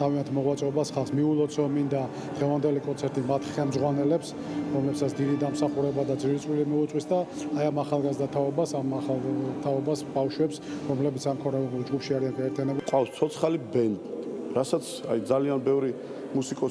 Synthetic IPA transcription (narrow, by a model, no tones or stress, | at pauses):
t̪ʰaviant̪ʰmɔʁwat̪sʼɛɔbasχalˠsmiulˠɔt̪sʰɔmind̪a | d̪̥ʁɛvand̪ɛlikʼɔnt̪sʰɛɾt̪ʼimat̪ʰχɛlˠmd̪zʁwanɛlɛps | ɾɔmlɛpsat̪sʰd̪id̪id̪amsaχuɾɛbad̪ad̪ziɾit̪sʼwilimiut̪sʼwisd̪aajamaχalˠɡazd̪at̪ʰaɔbasamaalt̪ʰaɔbasbafʃwɛpsɾɔmlɛbit̪samkʰɔɾnɛbɛbuld͡ʒɡupʰʃiaɾianɡaɛɾt̪ʰianɛbukʼwafst̪sʰɔt̪sʰχalibɛnd̪ | ɾasat̪sʰa̰jd̪zalianbɛvɾi | musikʼɔ